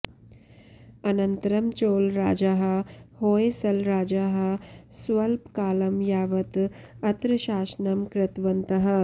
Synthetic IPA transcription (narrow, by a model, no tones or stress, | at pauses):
ɐnɐnt̪ɐɾɐmt͡ʃoːlɾaːd͡ʒaːɦɐ̆hoːesɐlɾaːd͡ʒaːɦɐ̆sʋɐlpkaːlɐmjaːʋɐt̪ | ɐt̪ɾɨʃaːsnɐmkɾɪt̪ʋɐnt̪ɐɦɐ̆